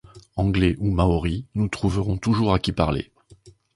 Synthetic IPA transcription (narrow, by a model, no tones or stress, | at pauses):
ɑ̃ɡlɛʔumaɔʁinut̪χuvəʁɔ̃t̪uʒuʁakʲipa̰ʁlḛ